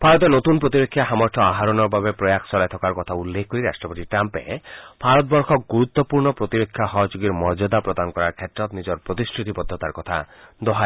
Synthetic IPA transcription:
bʱaɾɔt̪enot̪unpɾot̪iɾekʰːjaɦamɔɾt̪ʰɔaɦaɾɔnɔɾbʱabepɾɔjakʰsɔɾajt̪ʰɔkaɾkɔt̪ʰaulːekʰkoɾiɾasʈɾɔpot̪iʈɾampḛbʰʱaɾɔt̪bɔɾkʰɔk̚ɡuɾut̪ːɔpuɾnɔpɾot̪iɾekʰːjaɦɔɦd͡ʒuɡiɾmɔɾd͡ʒɔd̪apɾɔd̪anɔkɔɾaɾkʰet̪ːɾɔt̪nid͡ʒɔɾpɾot̪iskʰɾit̪ipɔd̪ʱːɔt̪aɾkɔt̪ʰa | d̪ɔɦa

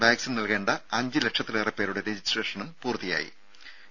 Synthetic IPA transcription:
ʋaːksinnɐlke̞ːɳɖɐɐɲd͡ʑɨle̞kʂɐt̪ːilerɐpːe̞ːɾuɽe̞ɾed͡ʑisʈreːʂɐnumpuːrt̪ija̰ːjḭ

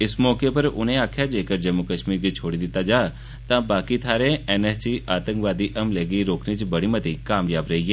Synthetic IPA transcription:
ɪsmɔːkepɐɾʊ̰nẽaːkʰjad͡ʒeːkəɾd͡ʒɐmːukəʃmiːɾbit͡ʃʰoːɽid̪ɪt̪ad͡ʒaː | t̪ãbaːkit̪ʰaːɾeɛnɛːssiaːt̪ə̃ŋkʋaːd̪iʔɐmleːɡiɾoːknit͡ʃbɐɽ̃imɐt̪ikaːmjaːbɾɐɦieː

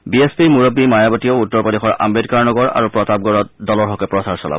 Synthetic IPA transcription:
biespiɹmuɹɔbːimajabatijoutːɔɹpɔdexɔɹa̰mbedkaɹnɔɡɔɹa̰ɹupɹɔtab̚ɡɔɹɔt̚dɔlɔɹɦɔkɛpɹɔsaɹsɔla̰b

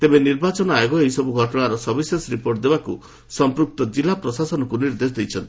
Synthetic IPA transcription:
t̪ebeniɾbat͡ʃɔnɔajoɡɔeɦjsɔbuɡʱɔʈɔɽ̃aɾɔsɔbisesɾipoɾʈd̪ebaku | sɔmpɾuk̚t̪ɔd͡ʒilapɾɔsasɔnɔkuniɾd̪es̬ɔd̪ejt͡ʃʰɔnt̪i̥

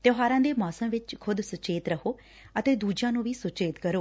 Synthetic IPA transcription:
t̪jəɦaːɾãːd̪eːmaːsəmʋɪt͡ʃkʰʊd̪sʊt͡ʃeːt̪ɾəkʰoː | ət̪eːd̪uːd͡ʒãːnũːʋiːsʊt͡ʃeːt̪kəɾoː

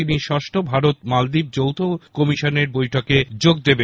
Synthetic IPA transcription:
iniʃɔʃʈʰobʱaɾot̪mald̪ib̚d͡ʑowt̪ʰokɔmiʃoneɾbojʈʰoked͡ʑoɡ̚d̪ebe

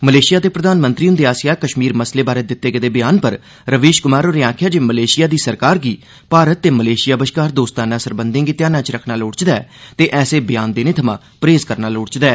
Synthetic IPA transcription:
məleːʃɪjaːd̪eːpɾəd̪aːnmə̃nt̪ɾiːʊ̃nd̪eːaːsɪjaːkəʃmiːɾməsleːbaːɾeːd̪ɪt̪ːeːɡəd̪eːbɪjaːnpəɾ | ɾəʋeːʃkʊmaːɾoːɾeːãːkʰjaːd͡ʒeːməleːʃɪjaːd̪iːsəɾkaːɾɡiː | paːɾət̪ːeːməleːʃɪjaːbəʃkaːɾd̪oːst̪ãːnãːsəɾbənd̪ẽːɡɪt̪jãːnãːt͡ʃɾəkʰnaːloːɽt͡ʃd̪ɛːt̪eːʔɛːseːbɪjaːnd̪eːnẽːt̪ʰəmã̰ː | pɾeːzkəɾnaːloːɽt͡ʃd̪ɛː

